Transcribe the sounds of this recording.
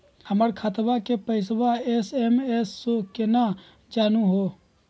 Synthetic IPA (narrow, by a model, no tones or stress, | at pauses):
həməɾkʰət̪ʋakepəɪs̬ʋaesemesːokena | d͡ʒaːnũɦo